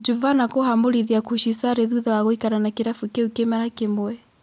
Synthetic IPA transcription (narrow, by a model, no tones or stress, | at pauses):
d͡ʒuvanakoɦamoɾiðiakuʃisaɾeðuðawaɣoikananakiɾafukeukemaɾakemoɛ